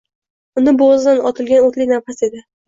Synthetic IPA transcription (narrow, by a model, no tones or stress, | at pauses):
ʊnɪbozd̪anɒt̪ʰɪlɡʲanot̪lɪjnaɾfase̞d̪ɪ